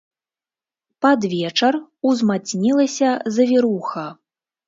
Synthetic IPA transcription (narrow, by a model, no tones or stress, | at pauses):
pad̪vʲɛt͡ʂɐruzmat͡sʲnʲilˠɐsʲɐzɐvʲiɾuxɐ